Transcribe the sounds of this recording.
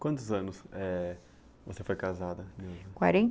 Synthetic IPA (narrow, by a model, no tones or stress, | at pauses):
kwɐ̃nt̪ʊzɐ̃nʊsɛ | vosefojkazad̪ɐmekwa̰ɾẽ